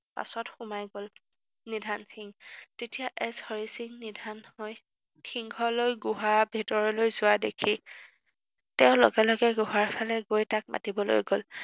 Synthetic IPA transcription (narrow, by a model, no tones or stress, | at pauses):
pa̰sɔtxumajɡol | nidʱansiŋtetijaʔɛshɔɹisiŋnidʱanhoj | xʰiŋɡʰɔlojɡuɦabʱitɔɹɔlojzʊwadḛkʰi | tɛʊ̃lɔ̰ɡɛlɔɡɛɡuɦaɹpʰalɛɡojtak̚ma̰tibɔlo̰jɡol